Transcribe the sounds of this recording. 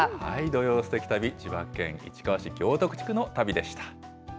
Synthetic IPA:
ha̰id̪o̞jo̞ːsɨ̥t̪e̞kʲi̥t̪abʲit͡ɕiβakːẽ̞̰ŋ̃ḭt͡ɕi̥kaβaɕikʲo̞ːt̪o̞kɯ̟t͡ɕi̥kɯ̟no̞t̪abʲid̪e̞ɕi̥t̪ḁ

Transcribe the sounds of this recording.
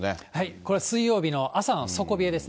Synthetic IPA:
ehaiko̞ɾeasɨijo̞ːbʲino̞ʔasano̞so̞ko̞bʲied̪e̞s

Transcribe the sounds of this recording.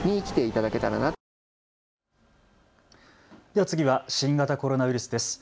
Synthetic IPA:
ɲ̟iːkʲi̥t̪e̞it̪ad̪ake̞t̪aɾa̰na | d̪̥e̞βat͡sɨɡʲiβaɕĩŋɡat̪ako̞ɾo̞naβ̟iɾɯsɨd̪e̞sɨ̥

